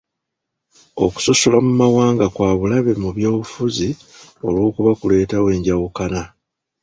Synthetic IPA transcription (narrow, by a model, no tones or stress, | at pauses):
o̞̰ku̥sosolamumawaːŋɡakwaːβulaβemuβjo̞ːβufuzi | o̞̰lwo̞ːkuβakule̞ːtawe̞ːɲɟawukana